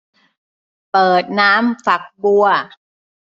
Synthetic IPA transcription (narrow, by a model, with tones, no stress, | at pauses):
pɤː˨˩t̪̚naː˦˥mfa˨˩k̚bu˧ɐ